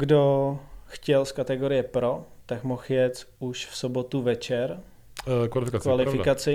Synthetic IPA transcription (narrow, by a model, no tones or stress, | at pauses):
ɡdoxcɛlskat̪ɛɡo̞ɾɪjɛpɾo̞t̪akmoxjɛt͡suʃfsobot̪uvɛt͡ʃɛɾ | kvalɪfɪkakvalɪɾfɪkat͡sɪ